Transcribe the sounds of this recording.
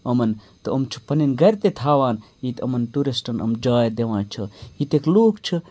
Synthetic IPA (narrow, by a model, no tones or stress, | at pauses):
ɐmɐnt̪ɨɐmt͡ʃʰu̥pɐninɡɐɾʲt̪et̪ʰaːʋaːn | it̪ɐmɐnʈuɾisʈɐnɐ̰md͡ʒaːjd̪eʋãːt͡ʃʰɐit̪ekluːkt͡ʃʰɐ